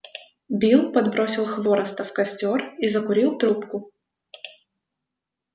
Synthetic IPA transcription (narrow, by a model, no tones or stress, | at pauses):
bʲilˠpɐd̪bɾo̞sʲɪlˠxvoɾəst̪ɐfkɐsʲtʲorizɐkʊɾʲilˠt̪ɾupkʊ